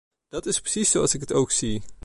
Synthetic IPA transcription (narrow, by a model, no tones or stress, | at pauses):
d̥ɑtɪspɹə̥sisːowɑ̰lˠsɪkɦətowksi